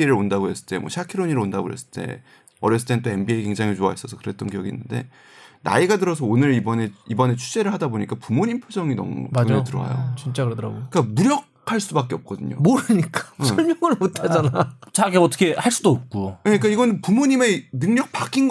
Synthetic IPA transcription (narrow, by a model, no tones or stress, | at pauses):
eɾɯɾondaɡoɦe̞s͈ɯ̥ɭt͈e̞̰mwʌ̰ɕʰakʰiɾoɲiɾɯɭondaɡoɦe̞̰s͈ɯ̥ɭt͈e̞̰ | ʌɾjʌs̬͈ɯ̥t͈ent͈oe̞nbieike̞ŋd͡ʑaŋet͡ɕowa̰ɦis͈ʌsʰʌkɯɾet͈ʌnkijʌɡḭnːɯnde̞̰ | na̰iɡadɯɾʌsʰʌonɯɾibʌne̞ibʌne̞t͡ɕʰud͡ʑe̞ɾɯɭhadaboɲik͈apumoɲimpʰjod͡ʑʌŋinʌ̰m̰mɯetɯɾʌa̰jo̰t͡ɕint͡ɕ͈akɾɾɡok͈amuɾjʌk̚ʰaɭs͈ubak͈e̞ʌp̚k͈ʌdɯɲo̰moɾɯɲik͈ḁsʰʌɭmjʌŋɯɭmotʰad͡ʑanat͡ɕaɡeʌt͈ʌkʰe̞haɭs͈udoːp̚k͈ueɲik͈aiɡʌnɯnpumoɲime̞nɯŋɲʌk̚pak͈inɡ